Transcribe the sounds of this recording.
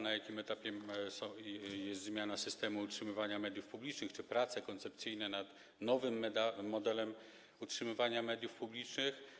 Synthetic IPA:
najakʲimɛt̪apʲjɛsɔjɛst̪zmʲjanasɘst̪ɛmuːtʂɘmɘvaɲamɛd̪ʲjufpublʲit͡ʂnɘxt͡ʂɘpɾat̪sɛkɔnt̪sɛpt̪sɘjnɛnat̪ | nɔvɘmːɛd̪aːɔd̪ɛlɛm | utʂɘmɘvaɲamɛd̪ʲjufpublʲit͡ʂnɘx

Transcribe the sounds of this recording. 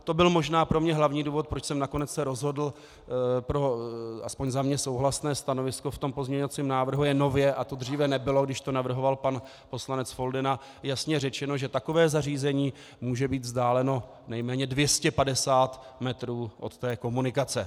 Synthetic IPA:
t̪o̞bɪlmo̞ʒnaːpɾo̞mɲɛɦlavɲiːduːvo̞t̪̚pɾo̞t͡ʃsɛmnako̞nɛt͡ssɛɾo̞zɦo̞dl̩ | pɾo̞ʔaspo̞ɲzamɲɛso̞wɦlasnɛːst̪anovɪsko̞ft̪o̞mpo̞zmɲɛɲovat͡siːmnaːvr̩ɦujɛno̞vjɛʔat̪o̞d̪r̝iːvɛnɛbɪlo̞ɡdɪʃt̪o̞navr̩ɦo̞valpan | po̞slanɛt͡sfo̞ldɪna | jasɲɛrɛt͡ʃɛno̞ʒɛt̪ako̞vɛːzariːzɛɲiː | muːʒɛbiːt̪vzdaːlɛno̞ | nɛjmɛːɲɛdvjɛscɛpadɛsaːt̪ | mɛt̪ɾuːʔo̞̰t̪ːɛːko̞munɪkat͡sɛ

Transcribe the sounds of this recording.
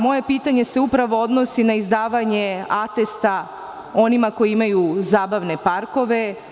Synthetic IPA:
mo̞je̞piːt̪aɲe̞se̞upɾaʋo̞od̪no̞sinaizd̪aːʋaɲe̞at̪e̞st̪a | o̞nimako̞jiimajuzaːbaʋne̞paɾko̞ʋe̞

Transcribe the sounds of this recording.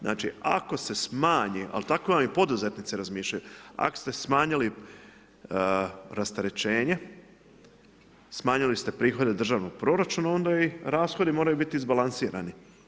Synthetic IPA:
znʔa̰ːt͡ʃia̰ko̞se̞smaːɲiʔa̰lt̪akoʋamipo̞d̪uzet̪nit̪siɾazmiːʃʎajua̰ko̥st̪e̞smaːɲili | ɾast̪aɾe̞t͡ʃe̞ːɲe̞ | smaːɲilist̪e̞pɾiːxo̞d̪ed̪r̩ʒaːʋnoɡ̚pɾo̞ːɾat͡ʃuːnao̞nd̪aiɾaːsxo̞d̪imo̞ːɾajubit̪iːzbalansiːɾani

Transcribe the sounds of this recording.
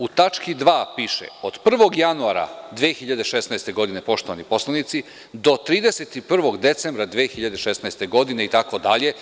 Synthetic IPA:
ut̪at͡ʃkid̪ʋaːpiʃḛod̪pr̩ʋo̞ɡjanuaɾa̰d̪ʋiexiʎad̪e̞ʃe̞snaest̪e̞ɡo̞d̪ine̞po̞ʃt̪oʋanipo̞slˠanit̪si | d̪o̞t̪ɾiːd̪eset̪ipr̩ʋo̞ɡd̪e̞t̪se̞mbɾad̪ʋexiʎad̪e̞ʃe̞snaest̪e̞ɡo̞d̪ineit̪ako̞d̪aʎe̞

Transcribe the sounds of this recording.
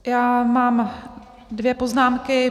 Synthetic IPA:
jaːmaːm | dvjɛpo̞znaːmkɪ

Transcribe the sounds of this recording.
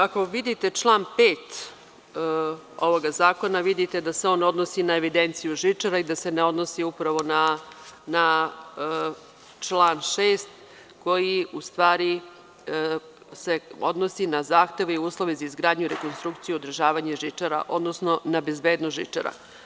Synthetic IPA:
ako̞ʋid̪it̪e̞t͡ʃlˠaːnpeːt̪ | o̞ʋoɡazaːko̞naʋid̪it̪e̞d̪aseo̞nːo̞d̪nosinae̞ʋid̪e̞nt̪sijuʒit͡ʂaɾaid̪ase̞neo̞d̪nosiupɾaʋo̞nana | t͡ʃlˠaːnʃeːst̪ | ko̞jiust̪ʋaːɾi | se̞o̞d̪no̞sinazaːxt̪e̞ʋeiuːslˠo̞ʋezaizɡɾaːd̪ɲuiɾekonst̪ɾukt̪sijuod̪r̩ʒaːʋaɲeʒit͡ʂaɾa̰ʔo̞d̪nosno̞nabe̞zbeːd̪nosʒit͡ʂa̰ɾa̰

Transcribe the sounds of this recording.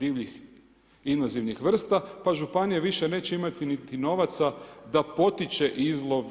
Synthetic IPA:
d̪iːʋʎix | inʋaziʋnixʋr̩st̪apaʒupanijeʋiʃe̞ne̞ːt͡ɕeimat̪init̪ino̞ʋat̪sad̪apo̞t̪it͡ʃe̞ʔizlˠo̞ʋ

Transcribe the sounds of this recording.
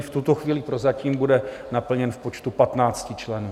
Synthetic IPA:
ft̪ut̪oxviːlɪpɾo̞zaciːmbudɛnapl̩ɲɛnfpo̞t͡ʃt̪upat̪naːt͡scɪt͡ʃlɛnuː

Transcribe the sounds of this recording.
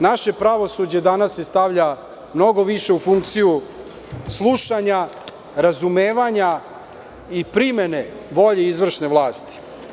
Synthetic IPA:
naʃe̞pɾaʋo̞sud͡ʑe̞d̪anasːest̪aʋʎa | mno̞ɡo̞ʋiʃe̞ufuŋk̚t̪siju | slˠuʃaɲa | ɾazumeːʋaɲa | ipɾimene̞ | ʋo̞ʎeizʋr̩ʃne̞ʋlˠaːst̪i̥

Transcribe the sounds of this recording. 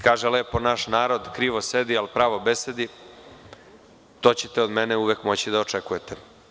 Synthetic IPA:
kaːʒeleponaʃnaːɾod̪kɾiːʋo̞sed̪ialpɾaːʋobese̞d̪i | t̪o̞ːt͡ɕet̪eod̪meneuʋekmo̞t͡ɕid̪aot͡ʂekujet̪e

